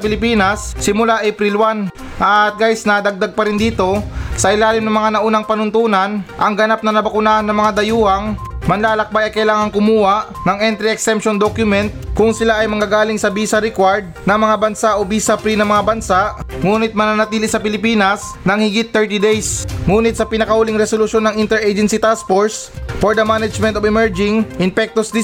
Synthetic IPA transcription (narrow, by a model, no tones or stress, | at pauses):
ɐpɪlɪpiːnɐsːɪmʊlaʔɛpɾilwan | ʔɐt̪̚ɡajsnɐd̪ɐɡ̚d̪aɡ̚pɐɾɪnd̪iːt̪o̞sɐʔɪlaːlɪmnɐŋmɐŋanɐʔuːnɐŋpɐnʊnt̪uːnɐnʔɐŋɡɐnap̚nɐnɐbɐkʊnanɐŋmɐŋad̪ɐjuːhɐŋmɐnlaːlɐk̚bajɐjkɐjlaːŋɐŋkʊmuːhaʔnɐŋʔɛnt̪ɾiɛksɛmpʃond̪okjʊmɛnt̪̚kʊŋsɪlaʔɐjmɐŋɡaːɡaːlɪŋsɐbiːsɐɾɛkwaɹd̪̚nɐŋmɐŋabɐnsaʔobiːsɐpɾinɐŋmɐŋabɐnsaʔŋuːnɪt̪̚mɐnanɐt̪iːlɪsɐpɪlɪpiːnɐs | nɐŋhɪɡɪt̪ːɛɹt̪id̪ɛjsŋuːnɪt̪̚sɐpɪnɐkɐhuːliŋɾɛsolʊʃjo̞nːɐŋɪnt̪ɛɹejd͡ʒɛnsit̪as̚poɹsfoɹd̪ɐmanɐd͡ʒmɛnt̪ovɪmɛɹd͡ʒɪŋʔɪnpɛk̚t̪osd̪ɪ